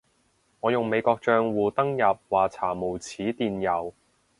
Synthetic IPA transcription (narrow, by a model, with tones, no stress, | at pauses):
ŋɔː˨˧jʊ˨ŋme˨˧jkɔː˧k̚t͡ʃœː˧ŋwuː˨t̪ɐ˥ŋjɐ˨p̚waː˨˩t͡sʰaː˨˩mo˨˩wt͡sʰiː˨˥t̪iː˨njɐ˨˩w